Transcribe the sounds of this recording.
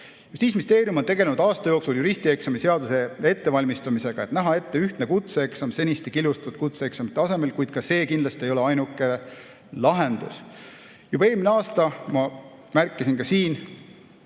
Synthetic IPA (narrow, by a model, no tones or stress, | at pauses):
just̪iːsmist̪e̞ːɾiumot̪e̞ɡelenud̪̥ɑːst̪ɑjo̞ːksuljuɾisʲt̪ie̞ksɑmise̞ɑd̪use̞e̞t̪ːe̞vɑlʲmist̪ɑmise̞ɡ̥ɑe̞t̪næɦɑe̞t̪ːe̞yht̪nekut̪seeksɑmse̞nʲist̪ekilust̪ɑ̥t̪ud̪̥̚kut̪seeksɑmit̪ːeɑse̞me̞lkujd̪̥kɑse̞ːkind̪lɑst̪iejo̞le̞ɑjnukːˑe̞ | lɑɦe̞nd̪̥ṵs | jubɑeːlmineɑːst̪ɑmɑmærkˑːisinkɑsiːn